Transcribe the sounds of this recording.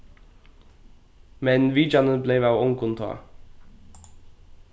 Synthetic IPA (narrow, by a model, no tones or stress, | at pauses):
mɛnʋiːd͡ʒɑnəbleːʋɑːɔŋkʰʊnt̪ʰo̰ː